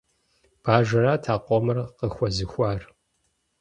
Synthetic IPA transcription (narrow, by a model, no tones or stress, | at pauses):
b̥aːʒɐraːtʰaːqʷʼɔmɨrqəxʷɔzɨxʷaːr